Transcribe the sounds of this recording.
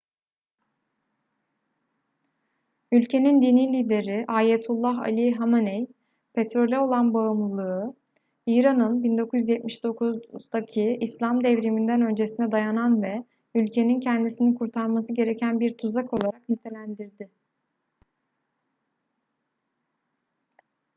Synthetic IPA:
ylʲcʰe̞nind̪iniːlʲiːd̪e̞ɾiʔaːjet̪ʰulˠːaɦa̰lʲiɦamanɛj | pʰe̞t̪ɾo̞lʲɛo̞lˠanbaɯmlˠɯlˠɯɯ | iːɾanɯnbind̪o̞kʰuzjyzjɛt̪̚miʃd̪o̞kʰuzd̪acʰiislʲamd̪ɛvɾimind̪ænø̞nd͡ʒe̞sinɛd̪ajananvɛ | ylʲcʰe̞nincʰɛnd̪isinikʰuɾt̪ʰaɾmas̬ɯɟe̞ɾecʰænbiɾt̪ʰuzako̞lˠaɾaknit̪ʰe̞lʲænd̪iɾd̪ɪ

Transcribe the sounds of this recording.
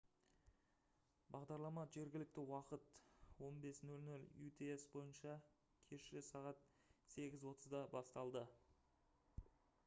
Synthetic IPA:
bɑʁd̪ɑɾlˠɑmɑʒe̞ɾɡʲɪlɪk̚t̪ɪwɑqət̪wo̞nbe̞snɵlnɵlut̪ee̞sbo̞jənʃɑ | kʲʰe̞ʃɪsɑʁɑt̪ | se̞ɡʲɪzwo̞t̪ʰəzd̪ɑbɑst̪ɑlˠd̪ə

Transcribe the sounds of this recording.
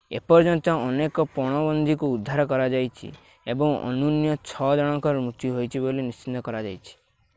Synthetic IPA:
ḛpɔɾd͡ʒɔnt̪ɔɔnekɔpɔɽ̃ɔbɔnd̪ʱikuːd̪ʱːaɾɔkɔɾad͡ʒajt͡ʃʰḭ | ebɔŋɔ̰nunjɔt͡ʃʰɔd͡ʒɔɽ̃ɔ̃ŋkɔɾmut̪jiɦojt͡ʃʰibolinist͡ʃit̪ːɔkɔɾad͡ʒa̰jt͡ʃʰi̥

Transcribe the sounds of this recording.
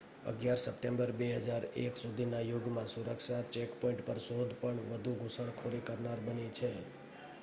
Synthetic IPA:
ə̰ɡjaɾsəpʈẽmbəɾbeɦəd͡ʒaɾḛksud̪ʱinajoɡmãsuɾəkʃat͡ʃekpɔɪ̃ɳʈpəɾsod̪ʱpəɳʋəd̪ʱuɡʱũsəɳkʰoɾikəɾnaɾbənit͡ʃʰe

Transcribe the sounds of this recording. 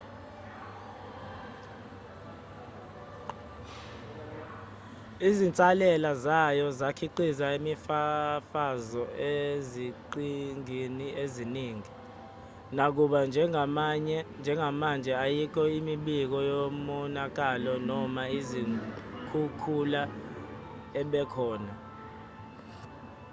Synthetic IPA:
izint͡sʼalɛlazajɔzakʰiǃizaimifafazɔeziǃiŋinieziniːŋi | nak̬uɓand͡ʒʱɛɲɛnd͡ʒʱɛŋʱamand͡ʒʱɛajik̬ʰɔimiɓik̬ɔjomɔnak̬alɔnɔmaizikʰukʰula | ɛɓɛkʰɔːna

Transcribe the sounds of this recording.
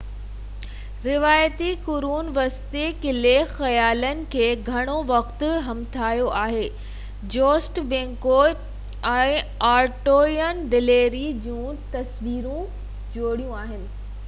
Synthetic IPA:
ɾɪʋaːjət̪ikʊɾuːnʋɐst̪ekɪlexɐjaːlənɪ̆kʰeːɡʱɐɽ̃oʋɐxt̪ʊ̆ɦɐmt̪ʰaːjoʔaːɦeː | d͡ʑoːsʈbẽːŋkoː | ɛ̃ɪaːɾʈoːjənɖ̪ɪleːɾid͡ʑũːt̪ɐsʋiːɾũ | d͡ʑoːɽijũaːɦɪnɪ̆

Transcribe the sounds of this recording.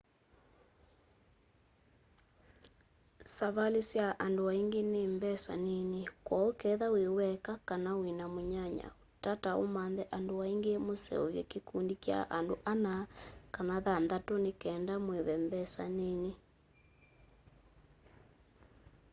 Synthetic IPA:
saβalesjaʔandowaiŋɡenembɛsa̰nenekwɔokɛðawewɛkakanawenamoɲaɲa̰otatao̰manðɛʔandowaiŋɡemosɛ̰o̰βjɛ̰kekundikja̰ʔandoʔanakanaðandatonekɛːndamweβɛmbɛsa̰nene

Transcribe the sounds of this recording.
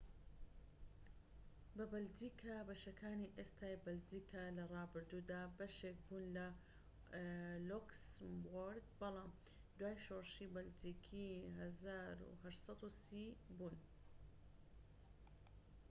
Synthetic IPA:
bɐbɐld͡ʒiːkʰabɐʃɐkʰaːniʔest̪ʰaːjbɐldiːkʰalɐrˤɑːbɨɾd̪uːd̪aːbɐʃek̚buːnlɐ | lokswoɾd̪bɑlɑːm | d̪waːjʃoːɾʃiːbɐld͡ʒiːkʰiːɦɐzaːɾṵɦɐʃsˤɑt̪usibuːn

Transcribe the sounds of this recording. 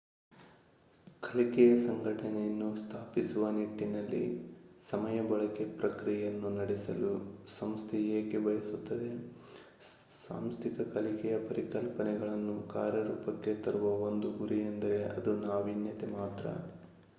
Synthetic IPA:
kʰɐlikɛjɐsɐŋɡʱɐʈɐnɛjɐnːust̪ʰaːpisuʋɐniʈːinɐlːḭsɐmɐjɐbɐɭɐke̞pɾɐkɾijjɐnːunɐɽɛsɐ̰lusɐmst̪ʰɛjeːkebɐjɐsut̪ːɐd̪e̞ | sa̰ːmst̪ʰikɐkɐlikɛjɐpɐɾikɐlpɐnɛɡɐɭɐnːukaːɾjɐɾuːpɐkːe̞t̪ɐɾuʋɐo̞nd̪uɡuɾiɐnd̪ɐɾe̞ɐd̪unaːʋinjɐt̪emaːt̪ɾɐ̰

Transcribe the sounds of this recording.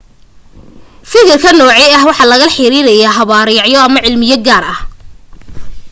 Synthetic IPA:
fɪkɪrkʰɐnɔːʕɛjɐɦwɑħɑlɐɣɐħɪɾiɾɐjaːɦɐβaːɾɪjɑʕjɔɐmɐʕɪlmɪjɐɡaːɾɐh

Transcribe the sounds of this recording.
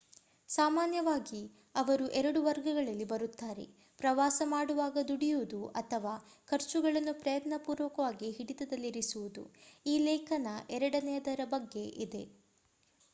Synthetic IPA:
saːmaːnjɐʋaːɡi | ɐʋɐɾuʔɛɾɐɽuʋɐɾɡɐɡɐɭɐlːibɐɾut̪ːaːɾe̞̰ | pɾɐʋaːsɐmaːɽuʋaːɡɐd̪uɽijuʋud̪uʔɐt̪ʰɐʋaːkʰɐɾt͡ʃuɡɐɭɐnːupɾɐjɐt̪nɐpuːɾʋɐkɐʋaːɡiɦiɽit̪ɐd̪ɐlːiɾisuʋud̪ṵiːlɛːkʰɐnɐʔɛɾɐɽɐnɛjɐd̪ɐɾɐbɐɡːe̞ʔid̪e̞̰

